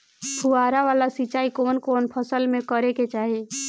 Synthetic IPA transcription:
pʰuaːɾaʋaːlasit͡ʃaːikoːnkoːnpʰəsəlmẽkəɾeket͡ʃaːɦie

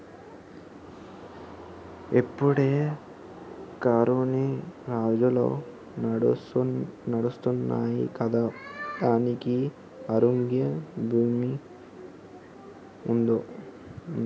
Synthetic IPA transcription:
epːuɽeː | kaːɾuniɾaːd͡ʒulo̰ː | nɐɽust̪unːa̰ːjḭkɐd̪aːd̪aːniki | ɐɾoŋɡjɐbʱuːmi | und̪o

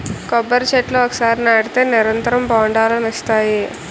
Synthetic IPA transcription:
kɔbːɐɾt͡ʃeʈloɔkːɐ̥saːɾinɐɽit̪eːniɾɐnt̪ɐɾɐmbaːɳɖaːlɐmist̪aːji

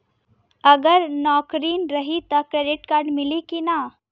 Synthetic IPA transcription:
ɐɡəɾnɔːkɾiːnɾɐɦit̪ɐkɾeːɖɪʈkaːɾɖmɪlikina

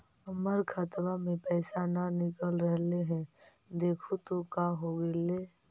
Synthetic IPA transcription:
ɐməɾkʰət̪mamẽpɛːsananɪkəlɾəɦleɦɛ̃ | d̪eːkʰut̪okaɦoɡeleː

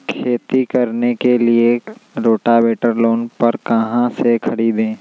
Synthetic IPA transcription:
kʰeːt̪ikɐɾnekelieɾoːʈabeːʈəɾloːnpɐɾkɐɦãsekʰɐɽiːd̪ẽː

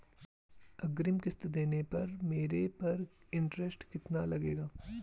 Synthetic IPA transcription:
ɐɡɾɪmkɪst̪d̪eːnepɐɾmeːɾepɐɾɪ̃ɳʈɾɛsʈkɪt̪nalɐɡeːɡaː

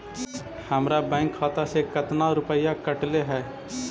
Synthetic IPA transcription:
həmɾabɛ̃ːŋkʰːaːt̪asekɐt̪naɾʊpəjakəʈleɦɛː

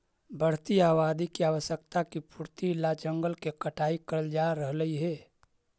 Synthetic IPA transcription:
bəɽ̤t̪iaːwaːd̪ikiaːwəʃjək̚t̪akipuːɾt̪ilːad͡ʒəŋɡəlkekəʈʰaːikəɾəld͡ʒaɾəɦləiɦɛː

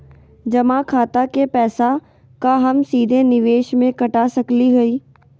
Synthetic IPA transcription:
d͡ʒɐmãkʰaːt̪akepɛːsa | kaɦɐmsiːd̪ʱenɪʋeːʃmẽkɐʈasɐkliɦoiː

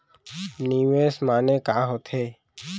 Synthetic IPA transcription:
niːʋeːsmaːneːkaːɦot̪ʰeː

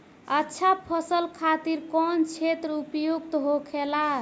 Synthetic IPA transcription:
ətːʃʰapʰəsəlkʰat̪iɾkɔnt͡ʃʰet̪ɾəupjoɡt̪ɦokʰela

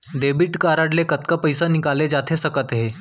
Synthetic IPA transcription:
ɖebiʈkaɾaɽlekət̪kəpəjsanikaled͡ʑat̪ʰesəkət̪ɦe

